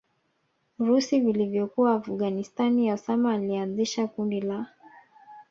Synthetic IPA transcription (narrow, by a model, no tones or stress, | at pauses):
uɾusivilivjɔkuaːfɡanistanijausamaːlianziʃakundila